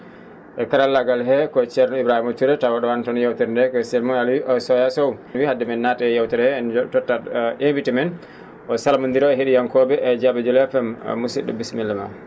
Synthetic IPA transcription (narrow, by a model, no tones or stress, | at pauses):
ʔɛkaɾalːaɡalɦɛkɔt͡ʃɛɾnɔibɾahimot͡ʃuɾɛtawaɗɔwantɔnjawtɛɾndɛkɔsɛlmɔaliʔɔsɔjasɔwwihadːɛmɛnːataɛjawtɛɾhɛɛnɔtɔtːaʔembitimɛn | ʔɔsalmund̪iɾɔɛɦiɗijaŋkɔbɛʔɛd͡ʒabɛd͡ʒɔlɛfɛm̰ːusiɗːɔ̰bismilːama̰